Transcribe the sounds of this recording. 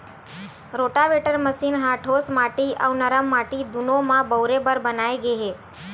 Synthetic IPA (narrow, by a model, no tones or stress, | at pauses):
ɾoʈaʋeʈəɾməsiːnɦaʈʰosmaʈiʔa̰wnəɾəmːaʈid̪unomãbəwɾebəɾbənaeɡeɦe